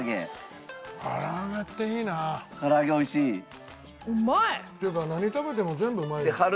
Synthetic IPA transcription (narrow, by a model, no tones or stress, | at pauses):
ɡḛ | ka̰ɾaːɡat̪ːeinakaɾaɡeojɕi | ɯmaet̪ekanaɲit̪abe̞t̪̬e̞mozẽ̞mbɯmaeekʰaɾ